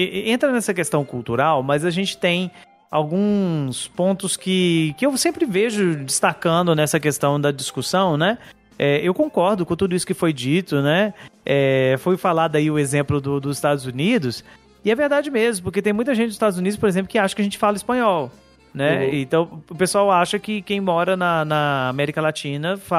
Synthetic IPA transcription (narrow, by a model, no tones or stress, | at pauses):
ɪẽnt̪ɾɐnɛsɐkest̪ɐ̃w̃kuwt̪uɾawmɐzɐʒẽnt͡ʃɪ̥t̪ẽj̃ | awɡũspõnt̪ʊskɪkɪewsẽmpɾɪveʒʊd͡ʒɪst̪akɐ̃nd̪ʊnɛsɐkest̪ɐ̃w̃d̪ɐd͡ʒiskusɐ̃w̃nɛ | ɛewkõkɔɾd̪ʊkõt̪ud̪ʊisʊ̥kɪfojd͡ʒit̪ʊnɛɛfojfalad̪ʊaiʊezẽmplʊd̪ʊd̪ʊzɪst̪ad̪ʊzunid̪ʊs | ɪɛveɾd̪ad͡ʒɪmezmʊp̬oɾket̪ẽj̃mũj̃t̪ɐʒẽt͡ʃɪzst̪ad̪ʊzunid̪ʊspoɾezẽplʊkɪaʃɐkɪɐʒẽnt͡ʃɪfalɐispɐ̃ɲɔw | nɛĩt̪ɐ̃w̃ʊpesuawaʃɐkɪkẽj̃mɔɾɐnɐnɐːmɛɾikɐlat͡ʃĩnɐfa